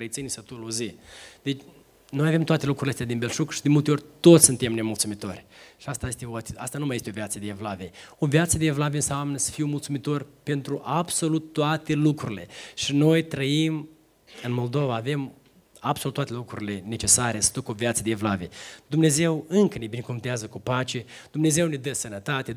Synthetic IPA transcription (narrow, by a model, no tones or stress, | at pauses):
ɾet̪sʲinisət̪uluzid̪et͡ʃʲ | no̞jave̞mt̪oat̪e̞lukɾuɾileast̪ad̪inbe̞lʃukʃi̥d̪inmult̪eo̞rʲt̪o̞t̪ssunt̪e̞mne̞mult̪sumit̪o̞̰rʲʃiast̪ajest̪eoaast̪anumajet̪eo̞vjat̪səd̪eevlaveo̞viat̪səd̪eevlaveɨnsamnəsə̥fiwmult̪sumit̪o̞rʲpe̞nt̪ɾuʔabso̞lut̪ːoat̪e̞lukɾuɾile̞ʃino̞jt̪ɾəim | ɨnmo̞ld̪o̞vaːve̞m | ab̥solut̪ːwat̪elukɾuɾʲile̞ne̞t͡ʃe̞saɾe̞sə̥d̪ukəovjat̪səd̪eevlaved̪umne̞ze̞wɨŋkənebinekumt̪eazəkupat͡ʃe̞d̪̥umne̞ze̞wned̪əsənət̪at̪e